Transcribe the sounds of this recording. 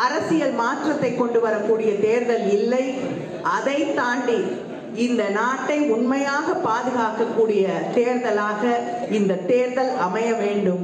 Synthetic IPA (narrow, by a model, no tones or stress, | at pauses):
ɐɾɐsɪjɐlmaːʈrɐt̪ːɐɪkːɔɳɖɯʋɐɾɐkːuːɽɪjɐt̪eːɾðɐlɪlːɐɪ | ʔɐðɐɪt̪aːɳɖi | ɪnd̪ɐnaːʈːɐɪʊɳmɐjaːɣɐpːaːðɯɣaːkːɐkːuːɽɪjɐt̪eːɾðɐlaːɣɐ | ɪnd̪ɐt̪eːɾðɐlɐmɐjɐʋeːɳɖɯm